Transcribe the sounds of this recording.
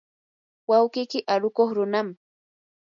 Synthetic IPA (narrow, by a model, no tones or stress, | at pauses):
wawkijkɪʔaɾʊkoχɾʊnam